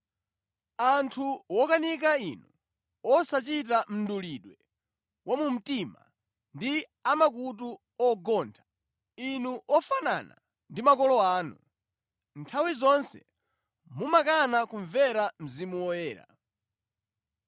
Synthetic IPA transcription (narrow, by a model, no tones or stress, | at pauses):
antʰuwɔkanik̬ainu | ɔsat͡ʃit̬am̩nduliɗwɛ | wʔamum̩tima̰ | ndi | amak̬ut̬u | ɔɡɔntʰḁ | inuʔɔfana̰na̰ | ndimakɔlɔaːnu | ntʰawizɔnsɛ̰ | mumakanakuɱvɛɾam̩zimuwɔjɛːɾa̰